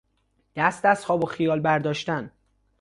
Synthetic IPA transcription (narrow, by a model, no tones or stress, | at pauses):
d̪̥æst̪æshɒːboxijɒːlbæɾd̪ɒːʃt̪æn